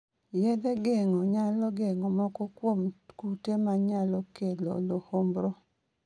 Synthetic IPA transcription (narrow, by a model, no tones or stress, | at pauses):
jɛd̪ɛɡeŋɔɲalɔɡeŋɔmɔkɔkwomkutemaɲalɔkelo̰lohombɾo